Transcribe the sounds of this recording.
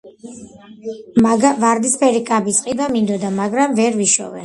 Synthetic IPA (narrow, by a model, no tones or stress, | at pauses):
ɡavaɾd̪ispʰɛɾikʼabisʼqʼib̪amind̪ɔd̪amaɡɾamvɛɾviʃɔ̰vɛ̰